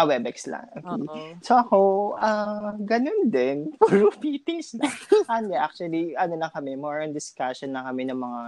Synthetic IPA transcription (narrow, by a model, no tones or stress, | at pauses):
ɐwɛbɛkslɐ̰ŋʔokːejsoʔɐko̞ʔaɡɐnond̪ɛnpulupit̪ɪsɐʔɐnd̪ɛʔak̚t͡ʃuɐliʔɐnolɐŋkɐmɛmɔɹɐnd̪ɪskaʃɔnlɐŋkɐmɛnɐŋmɐŋa